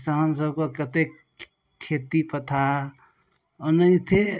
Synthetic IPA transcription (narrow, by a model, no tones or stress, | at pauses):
t̪aɦəns̬əbkokət̪ek | kʰːet̪ipət̪ʰa | onəĩt̪ʰe